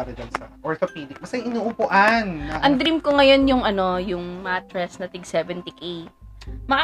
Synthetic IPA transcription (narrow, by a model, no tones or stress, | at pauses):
ɾɐd̪ɐlsɐʔoɹt̪opiːd̪ɪk̚mɐsɐjŋʔɪnuːʔʊpʊʔɐnːɐʔɐŋd̪ɾimkoŋɐjo̞njʊŋɐno̞jʊŋmat̪ɾɛsnɐt̪ɪɡsɛːvɛnt̪ɪki | mɐk